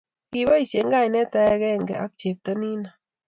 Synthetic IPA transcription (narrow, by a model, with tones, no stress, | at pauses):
ki˨βa˦i˨sje˨˦ŋɡa˦˨jnɛ˦ta˧˦kɛ˦ŋɡɛ̰˨a̰˦k̚t͡ʃe˨p̚tɐ˦ni˦na˨